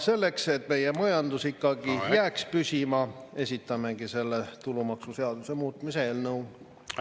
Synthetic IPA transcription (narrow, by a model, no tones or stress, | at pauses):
se̞lːe̞kse̞t̪ːme̞jemɑjɑnd̪̥usikːɑɡijæːkspysʲimɑe̞sʲit̪ːˑɑme̞ɡise̞lːe̞t̪ulumɑksuseɑd̪̥use̞muːt̪ˑmiseeːlnɤw